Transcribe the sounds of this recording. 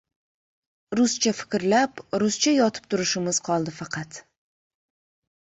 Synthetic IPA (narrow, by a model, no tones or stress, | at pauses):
ɾʊst͡ʃʰafɪ̥kʲɾlapɾʊst͡ʃʰajɒt̪ʰɪ̥p̚t̪ʰʊɾɪʃɪmɪz̥qʰɒlˠd̪ɪfɑqʰɑt̪